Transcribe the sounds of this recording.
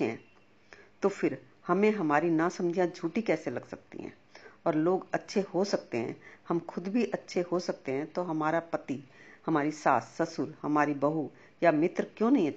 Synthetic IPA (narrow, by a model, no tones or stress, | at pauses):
eɦɛ̰̃ː | t̪ofɪɾ | hɐmẽɦɐmaːɾinasɐ̃md͡ʒʱjãd͡ʒʱuːʈikɛːselɐɡsɐk̚t̪ḭɦɛ̰̃ː | ɔːɾloːɡɐtːʃʰehosɐk̚t̪eɦɛ̰̃ːhɐmxʰʊd̪bʱiʔɐtːʃʰeɦosɐk̚t̪eɦɛ̃t̪oɦɐmaːɾapɐt̪ihɐmaːɾisaːsːɐsʊɾhɐmaːɾibɐɦu | jamɪt̪ɾkjõːnɐɦĩɐ